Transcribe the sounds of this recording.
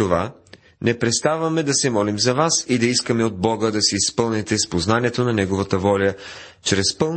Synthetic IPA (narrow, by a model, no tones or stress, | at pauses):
ova̰ | nɛpɾɛt̪st̪avɐmɛd̪ɐsɛmɔlimzɐvasid̪ɐiskəmɛod̪̚bɔɡəd̪ɐsɛispɤlˠnɛt̪ɛspoznaniɛt̪onɐnɛɡovət̪əvɔlʲə | t͡ʃɾɛspɤlˠ